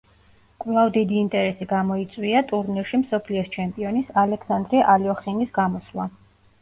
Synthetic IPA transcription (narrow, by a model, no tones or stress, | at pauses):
kʼvlˠavd̪id̪iːnt̪ʼɛɾɛsiɡamɔit̪sʼwiat̪ʼuɾniɾʃimsɔpʰliɔst͡ʃʰɛmpʼiɔnisalɛksand̪ɾiʔaliɔχinisɡamɔslˠa